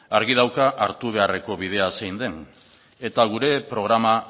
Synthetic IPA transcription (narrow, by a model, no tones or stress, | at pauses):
aɾɣið̞awkaʔaɾt̪uβ̞e̞are̞ko̞βið̞e̞asejnd̪e̞n | e̞t̪aɣ̞uɾe̞pɾo̞ɣɾama